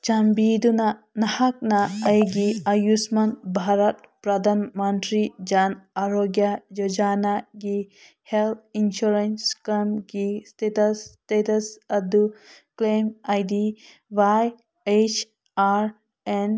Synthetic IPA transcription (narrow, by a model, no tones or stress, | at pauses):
t͡ʃɐmbiːd̪una | nɐhɐk̚naɐjɡiɐjusmɐnbʱaːɾɐt̪̚pɾɐd̪anmɐnʈɾid͡ʒanaɾoːɡjajod͡ʒaːnaɡi | helt̪̚ʰinʃuɾenskɐmɡistet̪ɐstet̪ɐsɐd̪uklemajd̪i | ʋaj | et͡ʃʰ | aɾ | en